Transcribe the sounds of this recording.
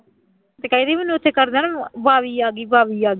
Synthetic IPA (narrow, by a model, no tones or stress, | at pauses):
t̪eːkəiːd̪eːmenːũːɪt̪ʰːeːkəɾd̪eːnãbaːʋiːaːɡiːbaːʋiːaːɡ